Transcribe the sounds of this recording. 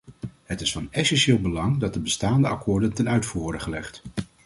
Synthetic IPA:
ɦətɪsfɑnɛsɛnʃɪːlˠbəlɑŋdɑt̚dəbəstaːndəʔɑ̰kʊːɹdəntɛnœɥtfuːɹʋɔɹdəχəlɛχt

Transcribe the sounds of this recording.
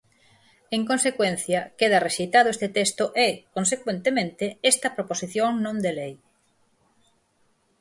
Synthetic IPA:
eŋkõnsekwen̟θjɐkeðɐreʃejt̪aðʊest̪et̪est̪ʊʔɛkonsekwent̪emẽnt̪eɛst̪ɐpɾoposiθjoŋnõnd̪elej

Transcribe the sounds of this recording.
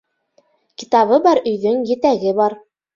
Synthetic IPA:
ki̥t̪ɑβɤbɑɾɵ̆jðɵŋjɘ̆t̪æɡɘbɑɾ

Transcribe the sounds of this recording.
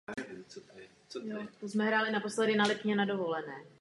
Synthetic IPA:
jot̪osmɛɦɾaːlɪnapo̞slɛdɪnalɪpɲɛnado̞vo̞lɛnɛː

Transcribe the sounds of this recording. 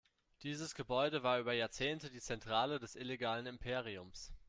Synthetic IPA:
d̥iːzəsɡ̥əbɔʏdəvaːɐʔyːbɐjaːɐt͡seːntədiːt͡sɛntʁ̥aːlədɛsʔɪleɡaːlənɪmpʰeːʁ̞iʊms

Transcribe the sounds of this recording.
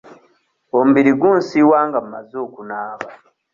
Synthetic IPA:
omubiɾiɡuːnsiwaːŋɡamuma̰zoːkunaːβa

